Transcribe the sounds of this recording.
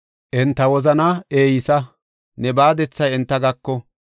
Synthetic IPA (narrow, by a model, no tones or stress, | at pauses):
ʔɛnt̪ːɐwɔzɐnɐeːjɪsɐ | nɛbaːd̪ɛt͡sːɐjɛnt̪ːɐɡɐkːɔ